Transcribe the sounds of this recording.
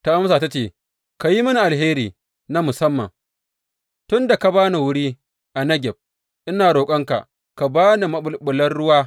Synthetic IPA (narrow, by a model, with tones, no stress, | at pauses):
ta˦ʔa˦m˦saː˨ta˦t͡ʃeː˦˨ | ka˨ji˦mɐ˦ni˨ʔa˨lɦeː˦ɾiː˨ | na˦mʊ˨sɐ˦mːɐ̰˨ | tʊ˦nda˨ka˨baː˦na˨wʊ˦ɽiː˦ | ʔa˨nɐ˦ɡʲɛ˨b̚ | ʔɪ˦naː˨ɽoː˨kʼɐ˦ŋka̰˨ | ka˨baː˦na˨mɐ˦ɓʊ˨lɓʊ˨lɐ˦nɽʊ˦waː˦